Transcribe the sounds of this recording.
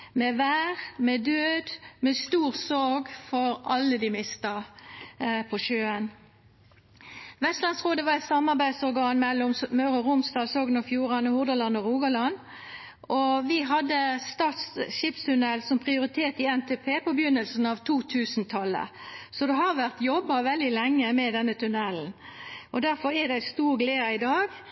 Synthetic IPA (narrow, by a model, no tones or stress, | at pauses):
mɛʋæːʁmɛd̪øːd̪mɛst̪uːʁsɔɾɡfɔɾʔɑlːəd̪ɪmɪst̪ɑ | pʰɔʃøːən | ʋɛst̪lɑnsʁoːd̪əʋɑʁɛɪt̪sɑmːɑʁbæɪd̪sɔɾɡɑːnmɛlːɔmmœʉʁɔʁʊmsd̪ɑːlsɔɡnɔfjuːʁɑnɔhʊʁd̪ɑlɑnɔʁuːɡɑlɑn | ʔʔɔʋɪɦɑd̪ːəst̪ɑːt̪sʃɪpst̪ʉnɛlsɔmpʰʁɪʊʁɪt̪ʰeːt̪ɪɛnt̪ʰepʰeːpɔbəjʏnːəlsn̩ɑʋt̪ʰuːt̪ʰʉːsnt̪ʰɑlːə̰sɔd̪ɛɦɑʁʋæʁt̪jɔbːɑʋɛld̪ɪlɛŋːəmɛd̪ɛnːət̪ʰʉnɛln̩ʔɔd̪æʁfɔɾæd̪æst̪uːʁɡleːɑɪd̪ɑːɡ